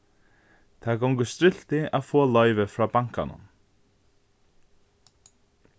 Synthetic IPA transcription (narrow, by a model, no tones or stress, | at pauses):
t̪ʰakowŋkʏst̪ɾɪl̥t̪ɪaðfɔːlɔjvɪfɾaːpaŋ̥ka̰nʊ̰m